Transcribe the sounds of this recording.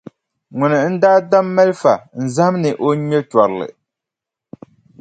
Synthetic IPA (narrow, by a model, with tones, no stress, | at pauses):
ŋʊ˨nɨ˨n̩˦daː˦da˦mːɛ˦lfa˨n̩˨za˦hm˦nɨ˨ʔo˦ɲɛ˦t͡ʃɔ˨ɾɨ˨lɨ̰˨